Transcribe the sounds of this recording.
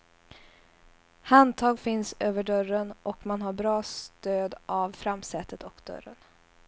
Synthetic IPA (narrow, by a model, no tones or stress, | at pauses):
hand̪t̪ʰɑːɡfɪnsøːvəɖœɾənʔɔkmanɦaɾbɾɑːst̪øːd̪ʔavfɾamsɛːt̪ət̪ʰɔkd̪̥œ̰ɾə̰n